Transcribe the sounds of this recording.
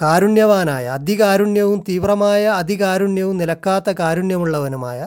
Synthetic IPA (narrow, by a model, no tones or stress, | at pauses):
kaːɾuɳjɐʋaːnaːjɐ̰ɐd̪ikaːɾuɳjɐʋumt̪iːʋrɐmaːjɐːd̪ikaːɾuɳjɐʋumnilɐkːaːt̪ːɐkaːɾuɳjɐmuɭːɐʋɐnuma̰ːjɐ